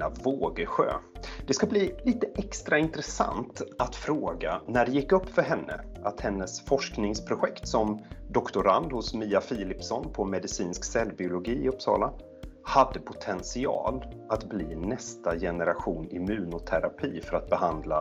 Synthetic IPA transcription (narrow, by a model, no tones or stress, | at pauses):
avoːɡəɧø̰ːd̪̥ɛskabliːliːt̪əʔɛkst̪ɾaɪnt̪ɾɛsa̰nt̪at̪fɾoːɡanæɖɛjɪkːɵpːfœɾɦɛnːə̰at̪hɛnːəsfɔʂknɪŋspʰɾʊɧɛkt̪sɔmd̪ɔkt̪ʊɾand̪hʊsmiːafiːlɪpsɔnpʰɔmɛd̪ɪsiːnsksɛlːbɪʊlʊɡiːɪɵpːsɑ̰ːla | had̪ːəpʰʊt̪ʰɛnsɪɑ̰ːlat̪bliːnɛst̪ajɛnəɾaɧuːnɪmʉ̟ːnʊt̪ʰæɾapʰiːfœɾat̪̚bɛhand̪la